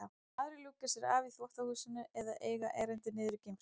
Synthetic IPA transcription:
a | aðɾɪluːkasjɛɾaːviθlɔht̪ahuːsɪnʏɛðaʔeːjɣaʔɛːɾɛnt̪ɪnɪːðɾʏcejm

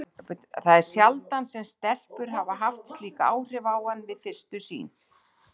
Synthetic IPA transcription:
pt̪θaðɛɾ̥sjalt̪ansɛmst̪ɛl̥pʏɾ̥ɦavaɦaft̪stliːkaa̰ːwr̥ɪvaːwhanːvɪðfɪr̥st̪ʏsḭːn

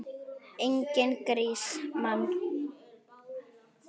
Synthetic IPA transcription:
ɪŋkenkəɾismam

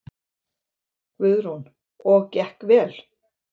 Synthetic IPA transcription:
kvʏðɾ̥hun | ɔɣcɛhkvɛːl

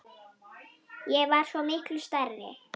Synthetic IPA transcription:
jɛvaɾ̥svɔmɪhklʏst̪arːɪ̰

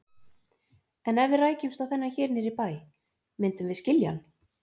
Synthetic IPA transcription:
ɛnɛvɪraːjcʏmst̪awθɛnːaçɛːɾnɪɾipaːj | mɪnt̪ʏmvɪscɪlja̰n

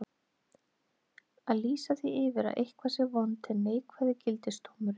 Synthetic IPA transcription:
aðliːsaθiɪvɪɾa̰ʔejhkʰvasɪvɔnt̪ʰɪneːjkʰvaðɪcɪlt̪ɪst̪ʰowmʏɾɪ

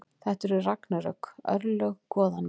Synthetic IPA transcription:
θɛht̪ɛɾʏraknaɾœkœ̰ɾlœɣkɔːðan

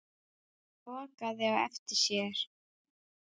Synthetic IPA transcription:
fɔːkaðɛvaɛ̰ft̪ɪ̥sjɛɾ̥

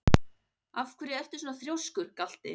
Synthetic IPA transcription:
afkʰvɛɾɪðɛft̪ɪ̥sɔːnaθɾjowskʏɾ̥kal̥t̪ɪ̰

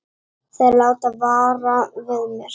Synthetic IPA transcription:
θalaːwt̪aðvaːɾavɪðmɛɾ̥

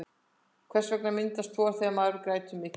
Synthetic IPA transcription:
kʰvɛr̥svɛk̚namɪnt̪ast̪fɔːaɾθɛamaðʏɾkɾaːjt̪ʏmːɪː

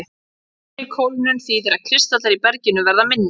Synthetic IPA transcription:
ɪ | ɪkʰowlnʏnθiːðɪɾaðkʰɾɪst̪at̪aɾipɛɾcɪnʏvɛɾðamɪnː

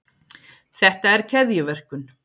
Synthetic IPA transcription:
θɛht̪aɛɾcʰɛðjʏvɛr̥kʏn

